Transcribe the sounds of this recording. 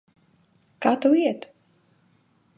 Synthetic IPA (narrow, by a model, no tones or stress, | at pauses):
kaːt̪uwiɛt̪